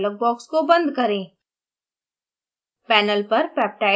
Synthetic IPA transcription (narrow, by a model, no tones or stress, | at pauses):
lək̚bɔːkskobɐ̃nd̪kɐɾẽː | pɛːnəlpɐɾpɛːp̚ʈaː